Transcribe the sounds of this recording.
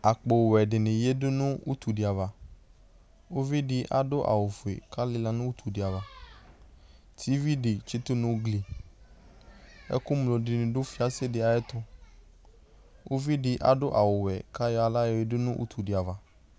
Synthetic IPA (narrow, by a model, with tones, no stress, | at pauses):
a˨k͡po˨wwɛ˨ɖɪ˨nɪ̃˨je˦dʊ˦nũ˦wṵ˦t̪u˨ɖi˨a˨va˨ | wo˦vi˦ɖɪ˦ʔa̰˨ɖʊ˦ʔa̰˨wo˨fʊ˨ḛ˨ka˦lɪ˦la˦nʊ̃˦wu˦t̪ʰu˨ɖɪ˨a˨va˨ | t̪ʰi˦vi˦ɖɪ˨t͡ʃi˦t̪ʊ˦nʊ̃˦wɡli˨ | ɛ̰˦kʊ˦m˨lo˨ɖɪ˨nɪ̃˨ɖʊ˦fi˦a˦se˦dɪ˨a˨ɛ˦t̪ɔ˦ | wʔo˦vi˦ɖɪ˨ʔa̰˨ɖʊ˦ʔa˨wʊ˨wɛ˨ka˦jɔ˦a˨la˦jɔ˨je˦dɪ˦nũ˦ʔṵ˦t̪u˨ɖɪ˨a˨va˨